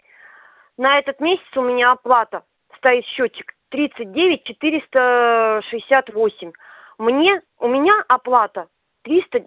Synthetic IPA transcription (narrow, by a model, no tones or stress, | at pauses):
nɐɛt̪ət̪mʲesʲɪ̥t̪sʊmʲɪnʲaɐplˠat̪ə | st̪ɐit̪ɕːot͡ɕːɪ̥kt̪ɾʲit̪sɨt̚ʲdʲevʲɪt̚ʲt͡ɕɪt̪ɨɾʲɪst̪əʂɨɪsʲat̪vo̞sʲɪmʲ | mnʲe̞ | ʊmʲɪnʲaʔɐplˠat̪ə | t̪ɾʲist̪ə